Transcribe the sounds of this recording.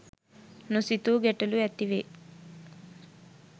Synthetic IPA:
nusit̪uɡeʈːuluet̪ːiʋe

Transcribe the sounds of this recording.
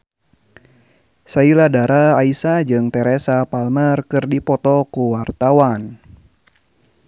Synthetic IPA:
sailadaɾaaisad͡ʒɨŋt̪ɛɾɛsapalmərkɨrdipɔt̪ɔkuwart̪awan

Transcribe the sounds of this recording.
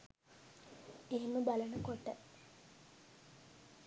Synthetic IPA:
eɦeməbalənəkoʈːə

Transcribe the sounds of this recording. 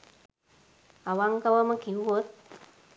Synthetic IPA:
aʋaŋkaʋaməkiuʋot̪̚

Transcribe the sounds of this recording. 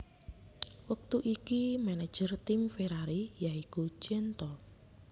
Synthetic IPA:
wək̚t̪uʔikimɛnɛd̥d͡ʒ̥ərt̪imfeɾaɾijaiku̥t͡ʃɛnt̪ɔ

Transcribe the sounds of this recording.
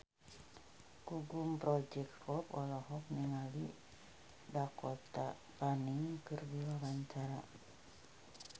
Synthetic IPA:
ɡ̥uɡumpɾɔd͡ʒɛk̚t̪hɔpɔlɔɦɔk̚niŋali | dakɔt̪a̰ | paniŋkərbiwawaɲt͡ʃaɾa

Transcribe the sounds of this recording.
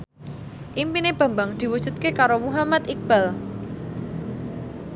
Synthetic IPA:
ʔimpineb̥a̤mbaŋd̪̥i̤wud̥ʒ̥ṳt̪̚kekaɾomuɦamat̪ik̚b̥al

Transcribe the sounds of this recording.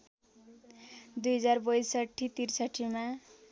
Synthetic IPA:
d̪ujɦʌd͡zaɾbʌjsəʈʰːit̪iɾsaʈʰːimã

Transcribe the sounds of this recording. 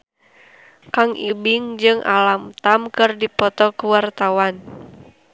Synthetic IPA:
kaŋʔibiŋd͡ʒɨŋʔa̰lamt̪amkɨrdipɔt̪ɔkəwart̪awan

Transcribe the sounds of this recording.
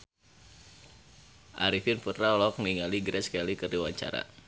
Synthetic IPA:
ʔaɾifinfətɾaɔlɔk̚niŋaliɡɾɛskalikəriwaɲt͡ʃa̰ɾa̰

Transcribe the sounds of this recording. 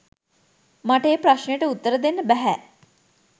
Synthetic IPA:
maʈəeːpɾaʃnəjəʈəut̪ːəɾəd̪enːəbæɦæ

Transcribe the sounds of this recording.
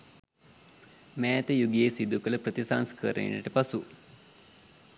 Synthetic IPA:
mæːt̪əjuɡiesid̪ukələpɾət̪isaŋskəɾḛnə̰ʈəpasu

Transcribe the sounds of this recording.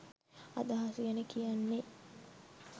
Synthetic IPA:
a̰d̪aɦasuɡænekijanːe

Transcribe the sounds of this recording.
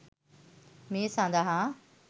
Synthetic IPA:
mẽːsãːnd̪aɦã

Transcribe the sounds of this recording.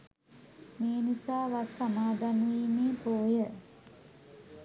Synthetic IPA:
meːnisaːʋasamaːd̪anuiːmeːpoːjə

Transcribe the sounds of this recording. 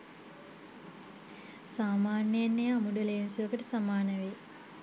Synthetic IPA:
saːmaːnːəjanːəjamuɖɐlejnsuʋəkəʈəsamaːnəʋe

